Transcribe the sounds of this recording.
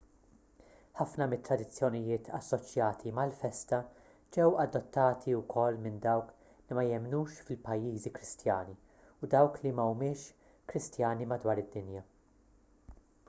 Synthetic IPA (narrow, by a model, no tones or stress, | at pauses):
ħɐfnɐmɪt̪ːɾɐd̪ɪt͡sːjɔnɪjɪːt̪ʰɐ̰sːɔt͡ʃjɐːt̪ʰimɐlfɛst̪ɐ | d͡ʒɛwɐd̪ːɔt̪ːɐːt̪ʰiʊkʰɔlːmɪnd̪ɐwk | limɐjɛmnuːʃfɪlpɐjːiːzikɾɪst̪jɐːni | ʊd̪ɐwklimɐumɪːʃ | kɾɪst̪jɐːnimɐd̪wɐːɾɪd̪ːɪnjɐ